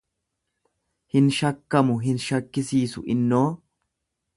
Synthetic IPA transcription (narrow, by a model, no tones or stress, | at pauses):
hɪnʃɐkːɐmʊɦɪnʃɐkːɪsiːsʊ̰ʔɪnːo̞ː